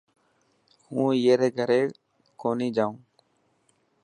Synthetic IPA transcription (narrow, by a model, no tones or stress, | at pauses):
hũːjeːɾeːɡʱəɾeː | koːniːd͡ʒaːũː